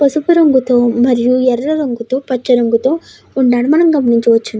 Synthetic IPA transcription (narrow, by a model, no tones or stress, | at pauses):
pɐsupɐɾɐŋɡut̪oːmɐɾijuɛɾɾɐɾɐŋɡut̪oːpɐt͡ʃːɐɾɐŋɡut̪o̞ː | uɳɖaːɽumɐnɐmɡɐmɐniɲt͡ʃuʋɐt͡ʃːund̪